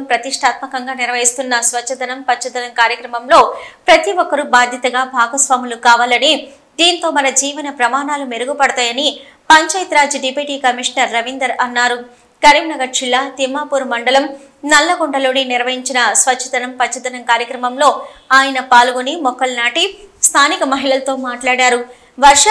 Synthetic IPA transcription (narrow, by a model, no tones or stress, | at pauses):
mpɾɐt̪iʂʈʰaːt̪mɐkɐŋɡaːniɾɐʋɐɦist̪unːɐsʋɐt͡ʃːʃɐt̪ɐnɐmpɐt͡ʃːɐt̪ɐnɐmkaːɾjɐkɾɐmɐmlo̞ːpɾɐt̪iʋɔkːɐɾubaːd̪ʱjɐt̪ɐɡaːbʱaːɡɐsʋaːmulukaːʋaːlɐni | d̪iːnt̪o̞ːmɐnɐd͡ʒiːʋɐnɐpɾɐmaːnaːlumeɾuɡupɐɽut̪aːjɐni | pɐɲt͡ʃaːjt̪ɾaːd͡ʒuɖipiːʈiːkɐmiʂnɐɾːɐʋind̪ɐɾɐnːaːɾu | kɐɾimnɐɡɐʈ̚d͡ʒilːaːt̪imːaːpuːɾmɐɳɖɐlɐm | nɐlːɐɡoɳɖɐlo̞ːniniɾʋɐɦiɲt͡ʃinɐsʋɐtːt͡ʃʰːɐt̪ɐnɐmpɐt͡ʃʰːɐt̪ɐnɐŋkaːɾjɐkɾɐmɐmlo̞ːaːjɐnɐpaːluɡonimɔkːɐlnaːʈist̪ʰaːnikɐmɐɦiɭɐlt̪o̞ːmaːʈlaːɽaːɾu | ʋɐɾʂ